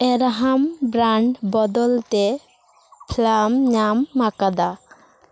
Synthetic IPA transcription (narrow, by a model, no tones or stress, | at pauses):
eɾaɦambɾaɳɖbɔd̪ɔlt̪e | pʰlamɲamːakad̪a